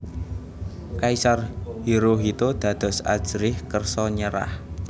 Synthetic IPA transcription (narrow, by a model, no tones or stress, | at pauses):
kaisarhiɾoɦit̪od̪̥ä̤d̪̥ɔ̤sa̰d̥ʒ̥ɾɪhkərsɔɲəɾa̰h